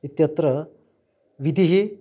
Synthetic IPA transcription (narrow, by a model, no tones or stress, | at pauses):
it̪jɐt̪ɾɐ | ʋid̪ʱiɦi